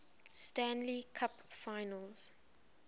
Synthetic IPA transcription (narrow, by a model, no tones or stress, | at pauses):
stæ̃nlikʰapfaɪnəlˠz̥